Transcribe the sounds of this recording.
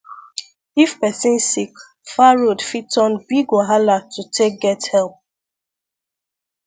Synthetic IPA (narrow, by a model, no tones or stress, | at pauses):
ifpɛsĩnsik | faɹodfitɔ̃nbiɡoɦalatutʰek̚ɡɛthɛlp̚